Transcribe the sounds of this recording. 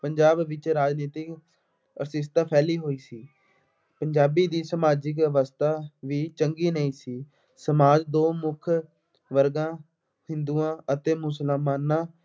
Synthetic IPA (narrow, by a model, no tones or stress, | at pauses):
pəɲd͡ʒaːbʋɪt͡ʃɾaːd͡ʒniːt̪ɪk | əɾsɪst̪aːpʰɛːliːɦoːiːsiː | pəɲd͡ʒaːbiːd̪iːsəmaːd͡ʒɪk̬əʋəst̪ʰaːʋiːt͡ʃəŋɡiːnəĩːsiː | səmaːd͡ʒd̪oːmʊkʰ | ʋəɾɡãː | hɪnd̪uːãːʔət̪eːmʊsəlmaːnãː